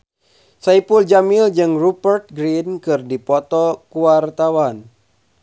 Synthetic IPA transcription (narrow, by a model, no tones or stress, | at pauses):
saipuld͡ʒamild͡ʒɨŋrupərt̪̚ɡɾinkɨrdipɔt̪ɔkuwart̪awan